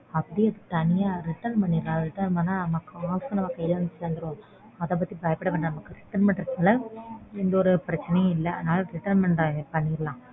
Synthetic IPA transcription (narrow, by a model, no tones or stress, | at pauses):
ɐpːɐɽiɐðɯt̪ɐnɪjaːɾɪʈːɐnpɐɳːiɾlãːɾɪʈːɐnpɐnːaːnɐmɐkːɯaːskɐnɐmɐkːɐjɪlɐnseːnd̪ɯɾõː | ɐðɐ̃p̬ɐt̪ːibɐjɐpːɪɽɐʋɐːɳɖɐnɐmɐkːɯɾɪʈːɐnmɛɳʈɪɾɯkːaːlɐɪnd̪ɐɔɾɯpɪɾɐt͡ʃːɪnɐj̃ɪlːɐɐ̰ðnaːlɐɾɪʈɐnmɛɳʈpɐɳːiɾɐlãː